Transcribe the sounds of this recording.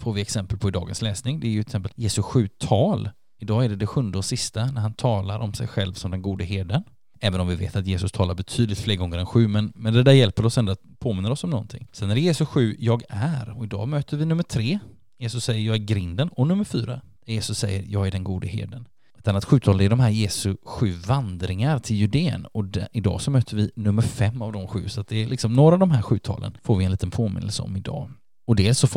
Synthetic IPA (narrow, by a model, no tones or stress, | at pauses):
foːɾvɪɛksɛmpəlpʰɔɪd̪ɑ̰ːɡə̰nslɛːsnɪŋd̪ɛæɾjɵɛt̪sɛmpːəljeːsɵɧʉ̟ːt̪ʰɑːl | ɪd̪ɑːæɖɛd̪ɛɧɵnd̪əɔsɪst̪anæɾɦhant̪ʰɑːlaɾʔɔmsɛ̰jɧɛlvsɔmd̪ɛnɡuːd̪əɦeːɖən | ɛːvənɔmvɪvḛːt̪at̪jeːsɵst̪ʰɑːlaɾbɛt̪ʰyːd̪lɪt̪fleːɾɡɔŋːəɾɛnɧʉ̟ːmɛnmɛnd̪ɛd̪æːɾjɛlpəɾɔsɛnd̪ʊat̪pʰoːmɪnːəɾɔsɔmnɔ̰nt̪ʰɪ̰ŋːsɛnːæjeːsɵɧʉ̟ːjɑːɡæɾɔɪd̪ɑ̰ːmøːt̪əɾvɪnɵmːəʈ̪ʰɾeː | jeːsɵsːɛjːəɾjɑːɡæɾɡɾɪnd̪ənɔnɵmːəɾfyːɾa̰ | jeːsɵsːɛjːə̰ɾjɑːɡæɖɛnɡuːd̪əhḛːd̪ən | ɛt̪anːat̪ɧʉ̟ːt̪ʰɑːlənɛæɖɔmɦæːɾjeːsɵɧʉ̟ːvand̪ɾɪŋaɾt̪ʰɪljʉd̪eːə̰nɔd̪ɪd̪ɑ̰ːsɔmøːt̪ʰəɾvɪnɵmːəɾfɛmːavd̪ɔmɧʉ̟̰ːsɔat̪̚d̪ɛːlʔɪksɔmnoːɾaːvd̪ɔmɦæɾɧʉ̟ːt̪ʰɑ̰ːlʔə̰nfoːɾvɪɛnliːt̪ənpʰoːmɪ̰nːə̰lsəɔ̰mɪd̪ɑ̰ː | ɔd̪eːlsɔf